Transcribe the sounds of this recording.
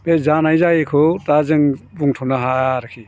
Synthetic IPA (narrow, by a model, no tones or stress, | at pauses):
bezanajzajkʰɯtazɯŋbuŋtʰunaɦaɾɯkʰi